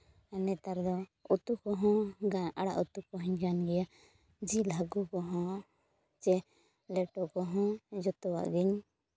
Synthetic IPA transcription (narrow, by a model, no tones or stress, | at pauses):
ɛnɛt̪aɾd̪ɔut̪ukɔɦɔ̃ɡaaɽa̰ʔut̪ukɔɦɔɲɡanɡɛja | d͡ʒilaɡukɔɦɔ̃ | t͡ʃɛ | lɛʈɔkɔɦɔ̃d͡ʒɔt̪ɔwa̰ʔɡiɲ